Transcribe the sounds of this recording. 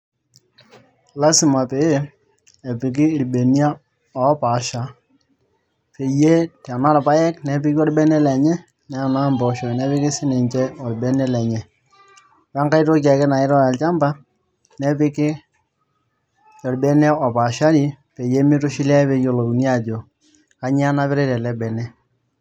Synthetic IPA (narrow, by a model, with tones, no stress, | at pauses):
la˦sɪ˨ma˨pe˨je˦ | ɛ˨pɪ˨k̬ɪː˦˨ɾbe˨ni˦a˦ | ɔ˨˦pa˨ʃa˨ | pe˨je˦ta˨na˦ɾpa˦jɛ˦knɛ˨pɪ˦ki˦ɔ˦ɾbɛ˦nɛ˦lɛ˨ɲɛ˦ | nɛ˨na˦mbɔ˨ʃɔ˨nɛ˦pɪ˦kɪ˦sɪ˦nɛ˨ɲt͡ʃɛ˦ɔ˨ɾbɛ˦nɛ˦lɛ˨ɲɛ˨ | wa˦ŋka˦ɪ˦to˦k̬a˨kɪ˦na˨ɪ˦ɾɔ˦ja˨lt͡ʃa˦mba˦ | nɛ˦pɪ˦kɪ˦ | jɔ˨ɾbɛ˦nɛ˦ɔ˨pa˨ʃa˦ɾi˨˦ | pe˨je˦mɪ˦tʊ˦ʃɪ˦la˦ɛ˦pe˦jo˦˨lo˨u˨ni˦a˦˨d͡ʒo˨ | ka˦ɲ˦a˦na˦pɪ˦ɾe˦tɛ˨lɛ˦bɛ˨nɛ˦